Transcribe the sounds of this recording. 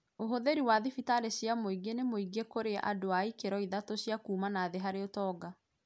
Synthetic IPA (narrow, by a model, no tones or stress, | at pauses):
oɦoðeɾiwaðifitaɾeɕjamoiɡenemoiɡekoɾeʔa̰doaikeɾɔiðatoɕjakuːmanaðeɦaɾeotɔːɡa